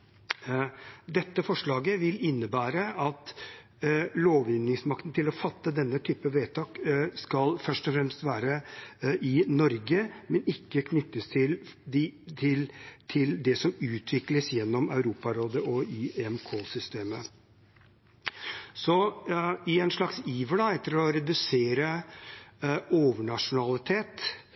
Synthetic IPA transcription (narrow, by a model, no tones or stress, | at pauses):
d̪ɛt̪ːəfɔʂɭɑːɡəʋɪlɪnːəbæːɾəɑt̪ | loːʋʏnːɪŋsmɑkt̪n̩t̪ʰɪlɔfɑt̪ːəd̪ɛnːət̪ʰyːpəʋeːt̪ʰɑːkskɑlfœʂʈɔfɾɛmst̪ʋæːɾəʔɪnɔɾɡəmɛnɪkːəkʰnʏt̪ːəst̪ʰɪl | t̪ʰɪlt̪ʰɪld̪ɛsɔmʉːt̪ʰʋɪkləsjɛnːɔmɑʉɾuːpɑɾoːd̪əʔɔɪɛmkʰoːsʏst̪eːmə | sɔ | ɪɛnʂɭɑksiːʋəlɑɛt̪ːəɾɔɾɛd̪ʉseːɾə | oːʋəɳɑʂʊnɑlɪt̪ʰeːt̪